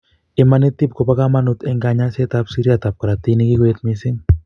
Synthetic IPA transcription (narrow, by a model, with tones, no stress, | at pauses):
ɪ˨mani˦t̪i˦p̚ko˨pa˦ka˦ma˦nu˦t̪ɛ˦ŋɡa˨ɲa˦se˦t̪a˧psi˦ɾiat̪a˨p̚ka˨ɾa˨t̪i˦ni˦ki˦ɡwe˦t̪misɪ˦ŋ